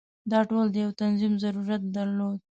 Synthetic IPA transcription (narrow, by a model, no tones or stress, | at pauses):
d̪ɑʈold̪əjawt̪anzimzaɾuɾat̪̚d̪aɾlod̪̚